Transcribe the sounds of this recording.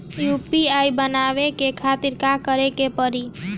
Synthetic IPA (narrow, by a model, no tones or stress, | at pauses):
jupiajbənaʋekekʰat̪iɾkakəɾekepəɾi